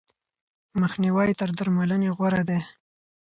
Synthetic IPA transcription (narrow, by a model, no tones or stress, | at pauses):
məxniwajt̪əɾd̪aɾmaləneɣwaɾad̪e